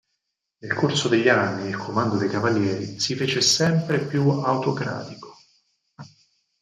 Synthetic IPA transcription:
nelkʰorsod̪eʎːanːiːlkʰomand̪od̪ejkavaljɛːɾisifeːt͡ʃesɛmpɾepjuawt̪okɾa̰ːt̪iko̥

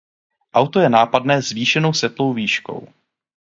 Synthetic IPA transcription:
ʔawt̪o̞jɛnaːpadnɛːzviːʃɛno̞wsɛt̪lo̞wviːʃko̞̰w

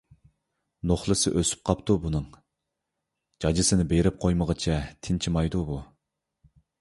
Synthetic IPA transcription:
noχlˠɨsɨʔøsy̥p̚qʰɑpt̪ʰubunɨŋ | d͡ʒɑd͡ʒɪsɨnɪbeɾɪp̚qʰojməʁət͡ʃʰɛt̪ʰɪnt͡ʃʰimɑjd̪ubu

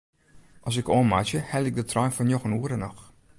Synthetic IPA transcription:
ʔɔsɪkoənmat͡ʃjəhɛlˠɪk̚dətʰrɔjnfɔnjoxənuəɾənɔx

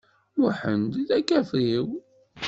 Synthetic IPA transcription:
ʊħənd̪iðækːæfiw

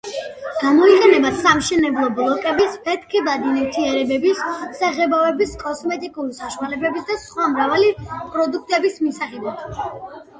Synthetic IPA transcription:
ɡ̥amɔiqʼɛnɛbasamʃɛnɛblˠɔblˠɔkʼɛbispʰɛt̪ʰkʰɛbad̪inɛt̪ʰiɛɾɛbɛbisːaʁɛbɔɛbiskʼɔsmɛt̪ʼikʼuɾisaʃwalɛbɛbisd̪asχwamɾavalipʼɾɔd̪uk̚ʰt̪ʼɛbismisaχɛbad̪̥

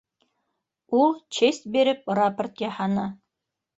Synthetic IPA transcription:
ulˠt͡ɕest̪̚beɾɘp̚rapərt̪jɑhɑnɑ

